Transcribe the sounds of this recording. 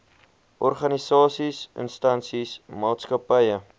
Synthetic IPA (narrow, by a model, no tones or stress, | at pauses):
ʔɔrχɐnisɑːsisə̰nstɐnsismɑːtskɐpəjə